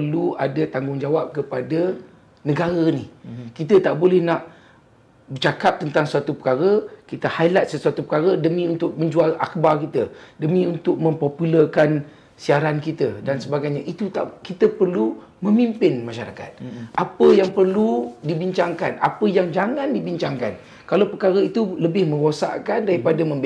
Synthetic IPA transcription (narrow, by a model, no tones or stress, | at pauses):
pərluadət̪aŋɡʊŋd͡ʒawap̚kəpadə | nəɡaɾənihkit̪ət̪aʔbolɛhnaʔ | bərt͡ʃakap̚t̪ənt̪aŋsuat̪upə̥kaɾəkit̪əhajlat̪̚səsuat̪upəkaɾədəmĩunt̪ʊk̚mə̃ɲd͡ʒuala̰k̚barkit̪ədəmĩunt̪ʊk̚mə̃mpopuləkan | siaɾankit̪ədansəbaɡajɲaʔit̪ut̪a̰ʔkit̪əpərlu | mə̃mimpɪnmãʃaɾa̰ka̰t̪̚ʔapəjaŋpərludibiɲt͡ʃaŋkanʔa̰pəjaŋd͡ʒaŋãndibiɲt͡ʃaŋka̰n | kalawpəkaɾəit̪uləbɪhmə̃ŋɡosa̰ʔkandaɾipadamə̃mb